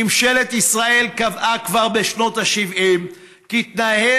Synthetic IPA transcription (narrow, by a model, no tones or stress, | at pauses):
imʃe̞le̞t̪isʁaʔe̞lkavʔakvaʁbe̞ʃno̞t̪aʃivʔim | kiit̪nahe